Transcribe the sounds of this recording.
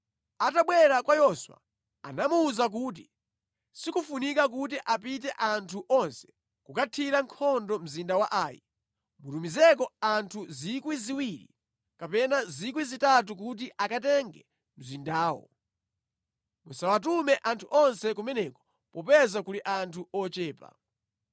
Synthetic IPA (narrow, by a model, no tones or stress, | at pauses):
ataɓwɛɾakwajɔswa̰ | a̰namuːzak̬uːt̬i | sikufunikak̬ut̬iʔap̬it̬ɛʔantʰuʔɔnsɛ̥ | kukatʰiɾaŋkʰɔndɔm̩zindawaʔaːjḭ | mutumizɛk̬ɔantʰuzikwiziwiɾḭ | kapɛnazik̬wizitat̬ukut̬iʔakat̬ɛŋɡɛ | m̩zindaːwɔ̰ | musawatumɛʔantʰuʔɔnsɛkumɛnɛkɔ̥ | pɔpɛzakuliʔantʰuɔt͡ʃɛːpa̰